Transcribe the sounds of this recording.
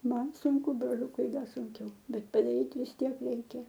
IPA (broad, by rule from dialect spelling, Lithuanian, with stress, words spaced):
ˈmɐn sʊŋˈkʊ broːˈlʲʊkʊɪ ˈdɐ sʊŋʲˈkʲɛʊ ˈbʲɛt pɐdɐˈrʲiːt ʋʲɪs ˈtʲiɛk ˈrʲɛɪkʲɛ